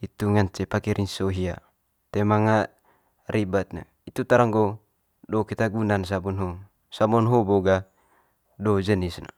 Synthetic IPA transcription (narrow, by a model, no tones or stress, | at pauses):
it̪uŋaɲt͡ʃɛpakɛɾʔinsoɦia | t̪ɛmaŋa | rʔibat̪̚na̰ | it̪ut̪aɾaŋɡɔ | dɔkit̪aɡunans̬abɔnɦɔ | samɔnɦɔbɔɡa | dɔd͡ʒənisna̰